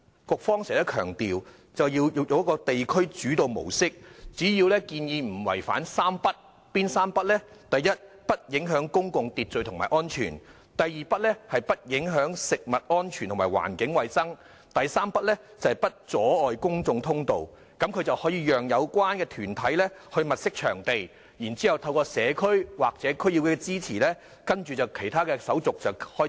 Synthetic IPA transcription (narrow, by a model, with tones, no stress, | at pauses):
kʊ˨k̚fɔː˥ŋsɛː˨˩t̪ɐ˥kʰœ̰ː˨˩ŋt̪iː˨w | t͡sɐ˨wjiː˧wjjo˨˧wjkɔː˧t̪e˨jkʰɵ˥ɥt͡ʃyː˨˥t̪o˨˧wmo̰˨˩wsɪ˥k̚t͡siː˨˥jiː˧wlɛː˥kiː˧njiː˧m̩˨˩wɐ̰˨˩jfa̰ː˨˥nsaː˥mpɐ˥t̚ | piː˥nsaː˥mpɐ˥t̚lɛ˥t̪ɐ˨jːɐ˥t̚ | pɐ˥t̚jɪ˨˥ŋɦœː˨˥ŋkʊ˥ŋkʊ˨ŋt̪iː˨t̚t͡ʃɵ˨˧jt̪ʰʊ˨˩ŋmaː˨˩ʔɔː˥nt͡ʃʰy̰ː˨˩n | t̪ɐ˨jiː˨pɐ˥t̚lɛː˥hɐ˨jpɐ˥t̚jɪ˨˥ŋɦœː˨˥ŋsɪ˨k̚mɐ˨t̚ʔɔː˥nt͡ʃʰy˨˩t̪ʰʊ˨˩mː˨˩jwa̰ː˨˩nkɪ˨˥ŋwɐ˨jsɐ˥ŋ | t̪ɐ˨jsaː˥mpɐ˥t̚lɛː˥t͡sɐ˨hpɐ˥t̚t͡sɔː˨˥ɔː˨jkʊ˥ŋt͡sʊ˨˧ŋt̪ʰʊ˥ŋt̪o˨w | kɐ˨˥mkʰɵ˨˧ɥt͡sɐ˨whɔː˨˥jiː˧jœː˨ŋjɐ˨˧wkʷwaː˥nkɛː˧t̪ʰyː˨˩nt̪ʰɐ˨˥jlɛ˥hɵ˧ɥmɐ˨t̚sɪ˥k̚t͡ʃʰœː˨˩ŋt̪e˨j | jiː˨˩nt͡siː˨˥hɐ˨wt̪ʰɐ˧wkɔː˧sɛː˨˧kʰɵ˥ɥwaː˨k̚t͡sɛː˨˥kʰɵ˥ɥji˧wkɛː˧t͡siː˥t͡sʰiː˨˩lɛː˥ | kɐ˥nt͡ʃyː˨t͡sɐ˨wkʰe˨˩jt̪ʰaː˥kɛː˧sɐ˨˥wt͡sʊ˨k̚t͡sɐ˨whɔː˦˥